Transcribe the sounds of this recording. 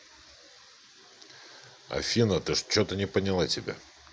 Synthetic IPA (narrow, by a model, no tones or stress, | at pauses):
ɐ̰fʲinət̪ɨʂt͡ɕot̪ənʲɪpənʲɪlˠatʲɪbʲa̰